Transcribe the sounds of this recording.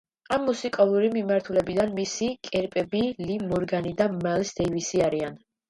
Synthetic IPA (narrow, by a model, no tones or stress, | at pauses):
amːusikʼalˠuɾimimaɾt̪ʰulɛbid̪anmisikʼɛɾpʼɛbilimɔɾɡanid̪amalsd̪ɛivisiaɾian